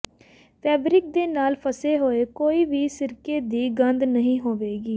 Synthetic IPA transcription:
pʰɛːbɾɪk̚d̪eːnaːlpʰəseːɦoːeːkoːiːʋiːsɪɾkeːd̪iːɡənd̪nəɦĩːɦoːʋeːɡiː

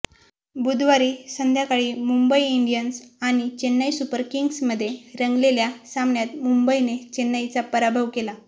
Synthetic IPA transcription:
bud̪ʱʋaɾiːsənd̪ʱjakaɭiːmumbəiːɳɖijənsaɽ̃it͡ɕenːajsupəɾkiŋɡsməd̪ʱːjeɾəŋɡleljasamnjat̪mumbəinet͡ɕenːajt͡sapəɾabʱəʋkela

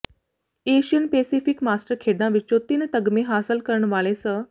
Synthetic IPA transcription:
eɕiənpesifikmasʈəɾkʰeɽnaʋit͡ɕot̪iːnt̪əɡmeɦasəlkəɾɳəʋaɭesəː

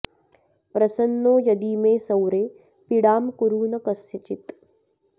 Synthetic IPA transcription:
pɾɐsɐnːoːjɐd̪imẽːsɐwɾeː | piɽaːmkuɾuːnɐkɐsjɐt͡ʃit̪

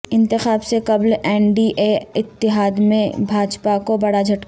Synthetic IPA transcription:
ɪ̃nt̪ɪxaːbsekɐblɛːnɖiʔeɪt̪ːɪɦaːd̪mẽbʱaːd͡ʒpakobɐɽad͡ʒʱɐʈk

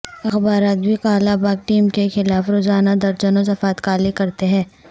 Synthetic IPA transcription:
ɐxbaːɾaːt̪̚bʱikaːlabaːɡ̚ʈiːmkexɪlaːfɾoːzaːnad̪ɐɾt͡ʃənõsɐfaːt̪kaːlikɐɾt̪eɦɛ̃ː

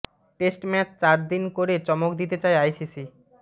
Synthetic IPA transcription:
ʈesʈmɛt͡ɕt͡ɕaɾd̪inkoɾet͡ɕɔmokd̪it̪et͡ɕaeajsisi

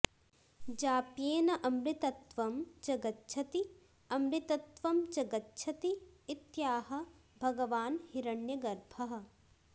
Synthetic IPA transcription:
d͡ʒaːpjeːnɐʔɐmɾit̪ɐt̪ʋɐmd͡ʒɐɡɐtːt͡ʃʰɐt̪i | ɐmɾit̪ɐt̪ʋɐmd͡ʒɐɡɐtːʃʰɐt̪iːt̪jaːɦɐ̆bʱɐɡɐʋaːnhiɾɐɳjɐɡɐɾbʱɐɦɐ̆

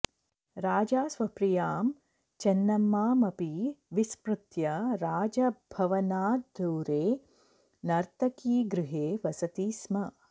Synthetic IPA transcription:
ɾaːd͡ʒaːsʋɐpɾijaːm | t͡ʃɐnːɐmːaːmɐpiʋispɾut̪jɐɾaːd͡ʒɐbʱɐʋɐnaːd̪ʱuːɾeː | nɐɾt̪ɐkiːɡɾɪɦeːʋɐsɐt̪iːsmɐ

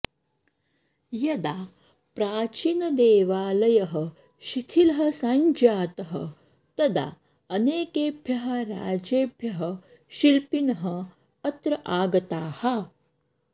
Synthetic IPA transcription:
jɐd̪a | pɾaːt͡ʃiːnɐd̪eːʋaːlɐjɐɦɐ | ʃit̪ʰilɐɦɐsaɲd͡ʒaːt̪ɐɦɐ̰ | t̪ɐd̪a̰ː | ɐneːkeːbʱjɐɦɐ̆ɾa̰ːd͡ʒeːbʱjɐɦɐ | ʃilpinɐɦɐ | ɐt̪ɾɐʔaːɡɐt̪aːhɐ

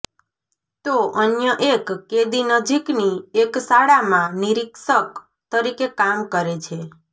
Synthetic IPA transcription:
t̪oʔənjəʔekːed̪inəd͡ʒiknieksaɽamãniɾiksək | t̪əɾikekamkəɾet͡ʃʰe

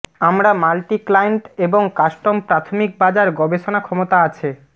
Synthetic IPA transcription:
amɾamalʈiklajeɳʈeboŋkaʃʈompɾat̪ʰomik̚bad͡ʑaɾɡɔbeʃonakʰɔmot̪aat͡ɕʰe

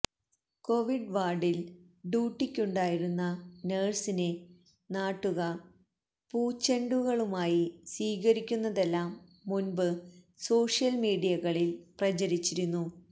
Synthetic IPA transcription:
ko̞ʋiɖʋaːɖil | ɖjuːʈːikʲːuɳɖaːjiɾunːɐneːɖsine | naːʈːuɣɐ | puːt͡ɕːɐɳɖuɣɐɭumaːjisʋiːɣɐɾikʲːunːɐðe̞lːaːmːunbɨ | so̞ːʂjɐlmiːɽijɐɣɐɭilprɐt͡ɕɐɾit͡ɕːiɾunːu

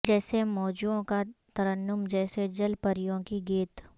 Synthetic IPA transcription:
d͡ʒɛːsemɔːd͡ʒuõkat̪ɐɾənːʊmd͡ʒɛːsed͡ʒɐlpɐɾɪjõkiɡeːt̪

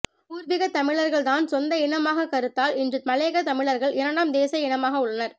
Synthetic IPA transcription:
uːɾʋɪɣɐt̪ɐmɪɭɐɾɣɐɭt̪aːnsɔnd̪ɐɪɳɐmaːɣɐkɐɾɯt̪ːaːlɪndrɯmɐleːɣɐt̪ɐmɪɭɐɾɣɐɭɪɾɐɳɖaːmd̪eːsɐɪɳɐmaːɣɐʊɭːɐnɐɾ

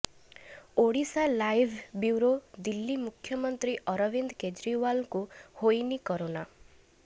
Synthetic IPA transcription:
oɽisalajbʱbjuwɾod̪ilːimukʰjɔmɔnt̪ɾiʔɔɾɔbind̪ked͡ʒɾiwalkuhojnikɔɾona

